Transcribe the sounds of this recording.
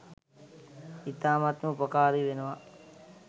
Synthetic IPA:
it̪aːmat̪məupɐkaːɾiʋenəʋa

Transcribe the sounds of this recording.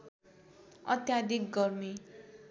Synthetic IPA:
ʌ̰t̪jad̪ikɡʌrmi

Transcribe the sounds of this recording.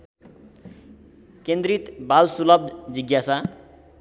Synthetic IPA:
kend̪ɾit̪balsulʌb̚d͡ziɡjasa

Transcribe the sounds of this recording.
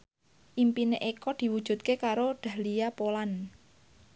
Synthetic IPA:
ʔimpineʔekɔd̪̥i̤wud̥ʒ̥ṳt̪̚kekaɾoɖ̪̥a̤hlijapolan

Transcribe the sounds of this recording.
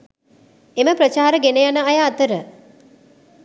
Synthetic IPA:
eməpɾət͡ʃaːɾəɡenejanəajaːt̪əɾə

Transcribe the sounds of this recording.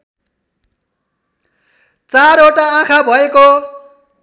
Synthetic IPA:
t͡saɾoʈaãkʰabʱʌeko

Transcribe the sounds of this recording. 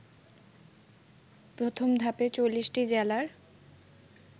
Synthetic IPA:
pɾot̪ʰomd̪ʱapet͡ɕolːisʈid͡ʑɛlaɾ

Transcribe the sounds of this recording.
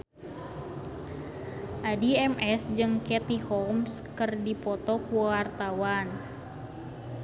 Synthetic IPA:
ʔadiɛmʔɛsd͡ʒɨŋkɛt̪ihɔms | kɨrdipɔt̪ɔkuwart̪awan

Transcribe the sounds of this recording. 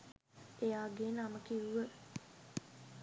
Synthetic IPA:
ejaːɡeːnaməkiʋuʋə

